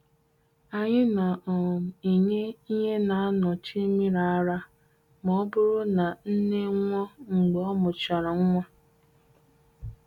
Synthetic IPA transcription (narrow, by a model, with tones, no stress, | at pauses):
a˨ɲɪ˦na˨ʔɔ˨m̩˨i˨ɲe˦i˦ɲe˦na˨a˦nɔ˨t͡ʃi˦mi˦ɾa˨a˦ɾa˦ | mɔ˦bʊ˦ɾʊ˦na˨n̩˦ne˦ŋʷɔ˦ŋ͡m̩˨ɡ͡be˨ɔ˦mʊ˨t͡ʃa˨ɾa˨ŋ̩˦ŋʷɔ˦